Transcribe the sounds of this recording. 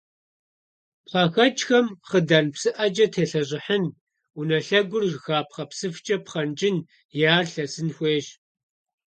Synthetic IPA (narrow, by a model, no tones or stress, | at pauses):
pɬɑːxɐt͡ʃxɐmχədaːnpsɨʔɐd͡ʒɐtʰeːɬɐʑɪħən | unɐɬɐɡʷʊrʒxaːpχɐpsɨft͡ʃʼɐpχɐnt͡ʃʼɪn | jaːrɬɐsɨnxʷeːɕ